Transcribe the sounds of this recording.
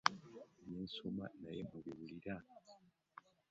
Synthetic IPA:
ninsuma̰najemuβiβuliɾa

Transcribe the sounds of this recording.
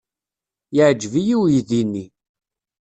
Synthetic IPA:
jəʕd͡ʒvijiwjiðinːi

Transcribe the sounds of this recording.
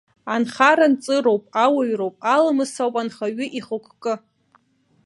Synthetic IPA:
anχaɾant͡sʼɨɾowpʼawaɥrowpʼalamɨsawpʼanχaɥʏʔiχəkʷʰkʼɨ

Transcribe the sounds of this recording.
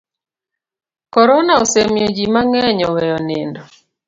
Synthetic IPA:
kɔɾɔnaosemjod͡ʒimaŋɛɲɔwɛjɔnendɔ

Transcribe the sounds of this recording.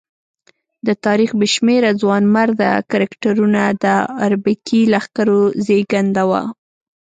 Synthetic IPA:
d̪ət̪ɑɾixbəʃmeɾazwɑnmaɾd̪a̰kaɾakʈaɾunad̪əaɾbɪkilaxkaɾozeɡand̪awa̰

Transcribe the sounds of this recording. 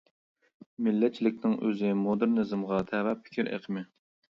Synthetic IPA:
mɪlːɛt͡ʃʰilɪk̚ʲnɪŋʔøzɪmod̪ɨɾnɨzɨmʁɑt̪ʰɛvɛpʰɪ̥kʲʰiɾḛqʰəmɪ

